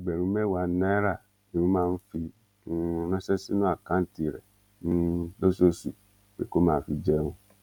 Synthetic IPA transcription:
i˨ɡ͡bɛ˨ɾũ˨˦mɛ˦˨wa˨˦nã˦ɾa˦˨ | ĩ˨ɾũ˦mãː˦˧n̩˦fĩ˧˦˧ | nɛ̃˦sɛ˦si˦nũ˦a˦˨kã˨˦n̩˦ti˨ɾɛ̰˨ | nũ˦lo˦so˦su˨ | bḛ˦ko˦mãː˦˨fi˧d͡ʒɛ˦nũ˦

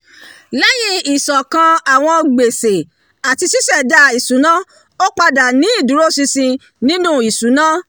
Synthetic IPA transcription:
lɛ˦jĩ˦i˨sɔ˨kã˧a˨w̃ɔ̃˧ɡ͡be˨se˨ | a˨ti˧si˦sɛ˦˨da˧˦i˨sũ˨˦nã˦ | o˦k͡pa˧da˨nĩ˨˦i˦˨dũ˨˦ɾo˦sĩ˧sĩ˧ | nĩ˦nũ˦˨i˨su˨˦nã˦

